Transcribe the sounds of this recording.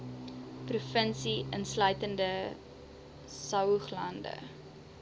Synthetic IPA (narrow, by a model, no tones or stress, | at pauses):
prufənsiənslœɥtəndə | sɐwχlɐndə̰